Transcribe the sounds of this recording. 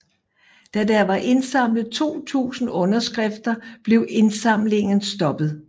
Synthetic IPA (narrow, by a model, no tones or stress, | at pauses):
d̥æd̥æʋɑ̈ʔe̝nsɑ̈m̰lð̩ˠt͡sʰo̝̰ːt͡sʰṵːsn̩ɔ̽nɐsɡ̥ʁɛfd̥ɐb̥le̝ʊe̝nsɑ̈m̰le̝ŋn̩sd̥ɒ̽b̥ð̩ˠ